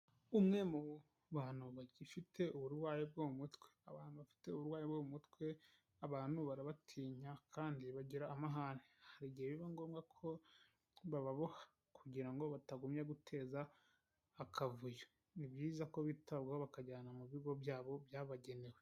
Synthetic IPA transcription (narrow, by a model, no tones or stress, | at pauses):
umŋe̞mu | βaːn̥uβaɟifitʰe̞uβuɾwaːjeb̚ɡoːmutweaβaːnuβafi̥te̞uβuɾwaːjebɡoːmumutkwe̞ | aβaːnuβaɾaβatʰiːɲakʰaːndiβaɟiɾaːmaɦanehaɾiɟieβiβaŋɡo̞ːmɡakʰo̞ | βaβaβohḁ | kʰuɟiɾaŋɡo̞βataɡumjaɡutʰe̞ːzaː | kʰavujo | nibjiːzako̞βitaβɡaoβakaɟaːnamuβiɡo̞bjaːβo̞bjaːβaɟe̞ne̞we